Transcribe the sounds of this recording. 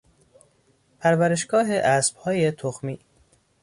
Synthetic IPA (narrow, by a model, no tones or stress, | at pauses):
pʰæɾvæɾe̞ʃɡɒːɦe̞ʔæsb̥hɒːje̞t̪ʰoxmiː